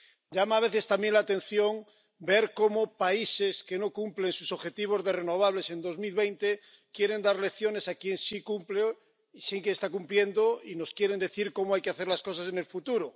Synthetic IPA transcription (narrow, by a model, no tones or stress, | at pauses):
ɟ͡ʝamaːβ̞e̞θe̞st̪ambje̞nlat̪e̞n̟θjo̞ŋ | be̞ɾko̞mopaise̞ske̞no̞kumple̞nsuso̞βxe̞t̪iβ̞o̞zðe̞re̞no̞β̞aβ̞le̞se̞nd̪o̞zmilβe̞jnt̪e | kje̞ɾe̞nd̪aɾle̞kθjo̞ne̞sakje̞nsikumple | isiŋkeːst̪akumplje̞nd̪oino̞skje̞ɾend̪e̞θiɾko̞moajke̞aθeɾlasko̞sasene̞lfut̪uɾo